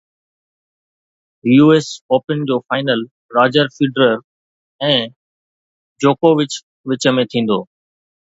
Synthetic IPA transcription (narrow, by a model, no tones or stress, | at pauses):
juːeːsoːpənd͡ʑoːfaːɪnəl | ɾaːd͡ʑəɾfiːɖɾəɾ | ɛ̃ː | d͡ʑoːkoʋɪt͡ɕ | ʋɪt͡ɕəmẽt̪ʰĩːn̆d̪oː